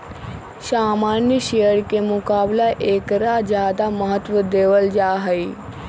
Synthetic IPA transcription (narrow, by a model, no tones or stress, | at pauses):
saːmaːnjəʃeəɽkemʊkaːblaʔeːkɾad͡ʒjaːd̪aməɦət̪ʋəd̪eːʋəld͡ʒaːɦəiː